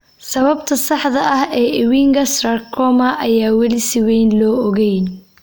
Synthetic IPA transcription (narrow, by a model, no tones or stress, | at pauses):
sɐβɐbt̪ʰɐsɑħðɐʔɐhɛːʔɪwiːŋɡɐsrɐrkʰɔmɐʔɐjaːwɐlɪsɪwɛjnlɔːɔɣɛjn